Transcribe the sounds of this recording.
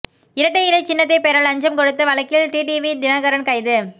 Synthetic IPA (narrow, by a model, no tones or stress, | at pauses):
ɪɾɐʈːɐɪlɐɪt͡ʃɪnːɐt̪ːɐɪpeɾɐɭɐɲd͡ʒɐmkɔɽɯt̪ːɯʋɐɭɐkːɪlʈiːʈiʋid̪ɪnaːɣɐɾɐnkɐɪðɯ